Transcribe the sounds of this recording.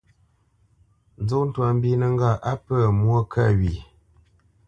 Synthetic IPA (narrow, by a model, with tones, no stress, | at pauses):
n˦zo˦kn̩˦twa˨m̩˦bi˦nə˨ŋ˦ɡa˦˨ʔa˦pə˦˨mwo˦kʰa˦˨ɥi˨